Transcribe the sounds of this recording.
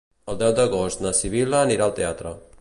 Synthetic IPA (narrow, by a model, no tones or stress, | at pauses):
ald̪awd̪oɡosnasiβilaniɾalt̪eat̪ɾa